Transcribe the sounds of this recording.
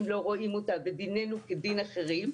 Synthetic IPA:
mlo̞ʁo̞imot̪abed̪ine̞nuked̪inaχeʁim

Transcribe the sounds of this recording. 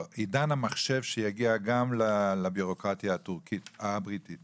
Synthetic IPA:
idanamaχʃe̞vʃejaɡiaɡamlalabiʁo̞kʁat̪jaːt̪uʁkit̪abʁit̪it

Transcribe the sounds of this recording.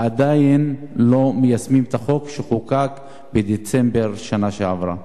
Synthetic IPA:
ad̪ajinlo̞mejasmimt̪aχo̞kʃeχukak | bed̪et͡sembe̞ʁʃanaʃeavʁa̰

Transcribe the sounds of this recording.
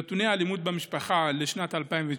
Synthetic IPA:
t̪unealimud̪̚bemiʃpaχaleʃnat̪alpaimve

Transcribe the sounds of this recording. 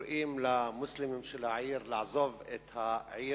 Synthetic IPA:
ɾʔiːmlamʊslɪmɪmʃɪlaʕiːɾlɪʕzˤovʔɪt̪haʕiː

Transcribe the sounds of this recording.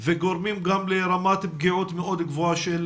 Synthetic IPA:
veɡoɾmimɡamleɾamat̪b̚ɡiʕut̪meʔo̞d̪ɡvoaʃel

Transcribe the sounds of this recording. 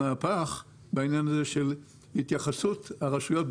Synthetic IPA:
aːpaχ | bainjanazeʃel | hit̪jaχasuthaʁaʃujo̞t̪̚b

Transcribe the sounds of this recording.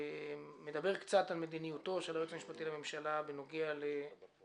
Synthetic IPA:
me̞d̪abe̞ʁkt͡satalme̞d̪inijut̪o̞ʃelaet͡samiʃpat̪ilame̞mʃalabeno̞ɡeale

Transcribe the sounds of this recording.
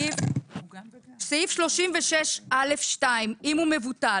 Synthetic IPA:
seifʃlo̞ʃimveʃeʃale̞fʃtaimimume̞vuta

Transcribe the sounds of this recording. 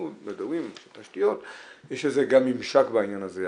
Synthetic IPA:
utmedowimʃet̪aʃtijo̞tjeʃetzeɡamimʃakbainjanaze

